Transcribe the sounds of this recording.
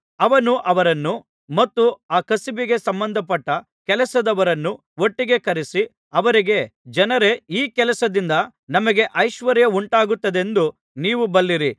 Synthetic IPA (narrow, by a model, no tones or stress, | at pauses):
ɐʋɐnuʔɐʋɐɾɐnːu | mɐt̪ːuaːkɐsibiɡe̞sɐmbɐnd̪ʱɐpɐʈːɐ | kɛlɐsɐd̪ɐʋɐɾɐnːu | o̞ʈːiɡe̞kɐɾisi | ɐʋɐɾiɡe̞d͡ʒɐnɐɾe̞iːkɛlɐsɐd̪ind̪ɐ | nɐmɐɡe̞ʔɐjʃʋɐɾjɐuɳʈaːɡut̪ːɐd̪e̞nd̪u | niːʋubɐlːiɾi